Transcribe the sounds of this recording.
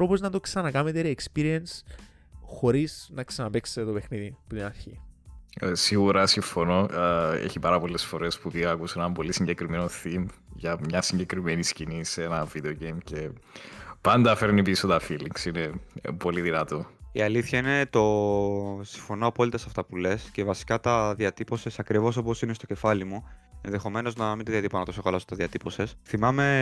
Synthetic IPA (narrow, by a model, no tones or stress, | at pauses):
ɾopoznɐt̪o̞ksɐnɐkɐmet̪eɾiekspiɾiens | xo̞ɾiznɐksɐnɐpe̞kse̥t̪et̪o̞pe̞xniðiput̪inɐɾçḭ | siɣuɾɐsiɱfo̞no̞ʔḛçipɐɾɐpo̞lːe̞sfo̞ɾe̞spupiɣɐːkusueenɐmbo̞lisiɲɟekɾimenoθimʝɐmɲɐsiɲɟe̞kɾimeniscinisenɐvid̪eoɟejmce̞ | pɐnd̪ɐfeɾnipisot̪ɐfiliŋksinepo̞liðinɐt̪oiɐliθçɐine̞t̪o̞ | siɱfo̞noɐpo̞lit̪ɐsɐft̪ɐpule̞sce̞vɐsi̥kɐt̪ɐðiɐt̪ipo̞sesɐkɾivo̞so̞posinest̪oce̞fɐlimue̞nðe̞xo̞me̞no̞znɐmint̪ɐðiɐt̪iponɐt̪osexɐlɐsot̪ɐðiɐt̪ipo̞sesθimɐme̞